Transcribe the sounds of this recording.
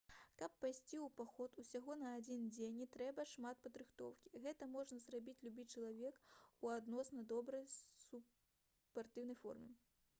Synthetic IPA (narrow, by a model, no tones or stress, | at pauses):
kɐpːajsʲt͡sʲiwpaxɔt̪usʲaɣɔnɐːd͡zʲind͡zʲenʲit̪ɾɛbɐʂmat̪̚pɐd̪ɾɨxt̪ɔ̰wkʲi̥ɣɛt̪ɐmɔʐnɐzrabʲit͡sʲlʲubʲit͡ʂɐlˠavʲɛkuad̪nɔsnɐd̪ɔbɾɐjsu | pːart̪ɨwnɐjfɔ̰rmʲɛ